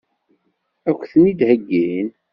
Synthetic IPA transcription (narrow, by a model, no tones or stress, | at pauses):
ækʷːθənid̪həɡːin